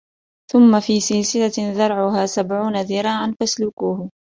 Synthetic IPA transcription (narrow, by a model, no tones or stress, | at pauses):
θʊmːafiːsɪlsɪlaðɑɾˤʕʊɦaːsabʕuːnaðɪɾˤɑːʕanfaslʊkuːh